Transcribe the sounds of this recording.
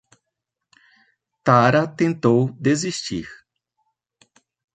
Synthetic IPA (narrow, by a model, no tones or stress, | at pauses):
t̪aɾɐt̪ẽnt̪owd̪eziʃt͡ʃḭɾ